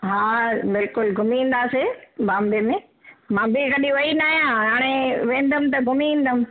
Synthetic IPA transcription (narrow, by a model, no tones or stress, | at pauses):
ɦaːbɪlkʊlɡʱʊmiĩːn̆d̪aːsebãːmbemẽ | mãːbɪkɐɗĩʋɐinaːɦijãɦaːɽ̃eʋẽːnd̪əm̆t̪ɐɡʱʊmiĩːn̆d̪əm